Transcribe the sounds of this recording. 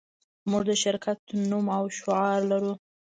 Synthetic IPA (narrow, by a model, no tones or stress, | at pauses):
muʐd̪əʃɪɾkʰat̪numawʃʊɑɾlaɾu